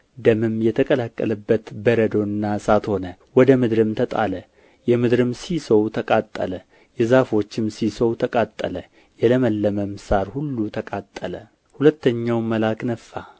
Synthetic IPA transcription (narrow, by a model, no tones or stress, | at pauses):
d̪əmɨmjɛt̪ʰəkʼəlakʼːələbːət̪bəɾəd̪o̞ɨnːasat̪ho̞nəwɔd̪əmɨd̪ɾɨmt̪ʰət̪ʼalə | jɛmɨd̪ɾɨmsisəwt̪ʰəkʼat̪ʼːə̰lə | jɛzafo̞t͡ʃːɪmsisəwt̪ʰəkʼat̪ʼːə̰lə | jɛləməlːəməmsaɾhulːut̪ʰəkʼat̪ʼːələ | hulət̪ːəɲːawməlaknəfːa